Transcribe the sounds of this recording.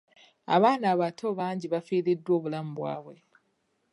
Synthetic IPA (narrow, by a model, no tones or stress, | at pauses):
a̰βaːnaːβatʰo̞βaːɲɟiβafiːɾidːwo̞ːβulamubwa̰ːβwe̞